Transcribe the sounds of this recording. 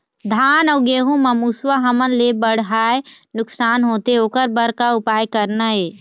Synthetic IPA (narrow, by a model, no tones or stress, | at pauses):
d̪ʱaːnəʊɡeːɦũmɐmuswaɦɐmənlebəɽ̤ɦaːenʊksaːnɦoːt̪eoːkəɾbəɾkaʊpaːjkəɾnaɦeː